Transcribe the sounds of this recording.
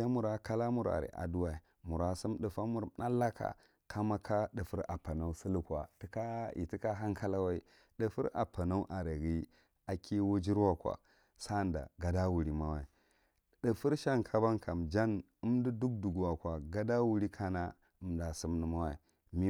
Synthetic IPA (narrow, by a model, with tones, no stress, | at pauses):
a˦mu˨ɾa˨ka˦la˦mu˨ɾa̰˨ɾḭ˨ʔa̰˨du˦wa˨i˨ | mu˨ɾa˨su˦mɗə˨fa˦mu˦˨ɾna˦lːa˦ka̰˨ | kʰa˦ma˦kʰa˦ɗə˨fu˦ɾa̰˨pa˨na˦u˦si˦lu˦kʷa˨ti˦ka˦ḭ˨ti˦ka˦ɦa˦ŋkʰa˦la˦wa˦i˦ | ɗə˨fṵ˦ɾa̰˨pa˨na˦u˦ʔa˨ɾe˨ɡi˦ | a˨kʰi˦wo˦d͡ʒi˦ɾwa˦˨kʷa̰˨ | sa˦˨nda̰˨ɡa˦da˦wu˨ɾi˨ma˦wa˨i˨ | ɗə˨fu˦ɾʃa˦ŋkʰa˦ba˦ŋkʰa˨md͡ʒa˦n | ə˦mdi˦du˦k̚du˨ɡwa˨kʷa˨ɡa˦da˦wu˨ɾi˦kʰa˦na˦ | ə˨mda˨su˦mnu˨ma˦wa̰˨i˨ | mi˦